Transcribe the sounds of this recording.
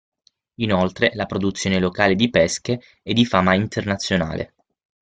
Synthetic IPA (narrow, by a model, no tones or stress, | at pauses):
inolt̪ɾelapɾod̪ut̪sːjoːnelokaːled̪ipɛskeː | d̪ifaːmaint̪ernat̪sːjona̰ːlḛ